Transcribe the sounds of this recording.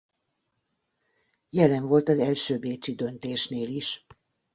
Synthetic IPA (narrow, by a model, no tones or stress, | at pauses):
jɛlɛɱvo̞lt̪ɒzɛlʃøːbeːt͡ʃid̪ø̞nt̪eːʃneːliʃ